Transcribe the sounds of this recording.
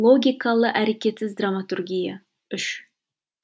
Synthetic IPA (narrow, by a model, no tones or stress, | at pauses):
lˠoɡʲijkalˠəʔæɾekʲet̪sɪzd̪ɾamat̪uɾɡʲija | ʏʃ